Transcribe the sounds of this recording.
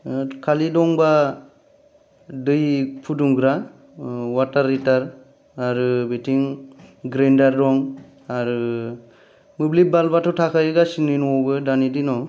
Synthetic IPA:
kʰalidɔŋba | dɯjpʰuduŋɡɾa | wataɾːitaɾ | aɾɯbetʰiŋɡɾendaɾːɔŋ | aɾɯ | mɯblibalbatʰɔtʰakʰajɯɡasininuɔbɯdanidinɔ

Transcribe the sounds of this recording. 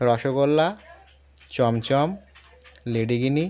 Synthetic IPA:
ɾɔʃokolːa | t͡ɕɔmt͡ɕɔm | leɖiɡini

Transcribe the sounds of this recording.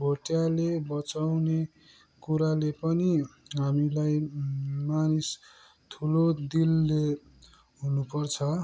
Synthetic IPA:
bʱoʈjalebʌt͡sawne | kuɾalepʌniɦamilajmanis | t̪ʰulod̪ilːe | ɦunupʌrt͡sʰʌ

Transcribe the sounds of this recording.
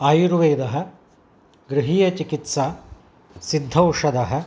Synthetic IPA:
aːjuɾʋeːd̪ɐɦɐ̆ | ɡɾiɦiːjɐt͡ʃikit̪saː | sid̪ʱɐwʂɐd̪ɐɦɐ̆

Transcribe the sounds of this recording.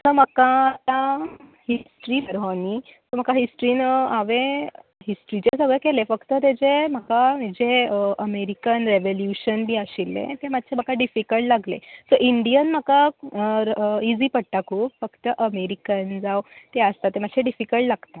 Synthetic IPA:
sɔməkat̪ãhisʈɾibəɾanisɔm̤əkaɦisʈɾinəaʋẽɦisʈɾit͡ɕesəɡɭekelefəkt̪ət̪̬ed͡zem̤əkamid͡ʑeʔəmeɾikənɾeʋoljuɕənbiːəɕilːḛ̃t̪emat̪ːɕʰem̤əkaɖifikəlʈlaɡlḛsɔʔiɳɖijənm̤əka | id͡ziːpəɽʈakʰuːpfəkt̪əʔəmeɾikənd͡zawt̪eəst̪at̪ːem̤ad̪ɕʰeɖifikəɭʈlaɡt̪a

